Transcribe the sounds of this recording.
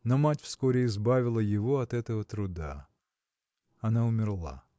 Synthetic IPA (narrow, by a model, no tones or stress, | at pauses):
nɔmatʲwskɔɾʲɪizbaʋʲɪlˠɐjɪʋɔɐt̪ɛt̪ɔɦɔt̪ɾʊd̪a̰ | ɐnaʊmʲɪrlˠa̰